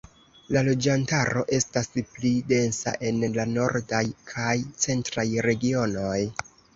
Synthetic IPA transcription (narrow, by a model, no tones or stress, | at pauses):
lalo̞d͡ʒantaɾo̞ʔe̞stasplide̞nsa̰ʔe̞nlano̞ɾdajkʰajt͡se̞ntɾajɾe̞ɡio̞no̞j